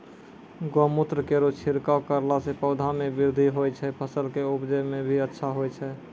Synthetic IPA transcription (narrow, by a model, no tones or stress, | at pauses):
ɡomut̪ɾəkeɾot͡ʃʰiɾkakəɾlasepəʊd̪ʱamebiɾd̪ʱiɦojt͡ʃʰɛpʰəsəlkeubd͡ʒɛmebʱiətːʃʰaɦojt͡ʃʰɛ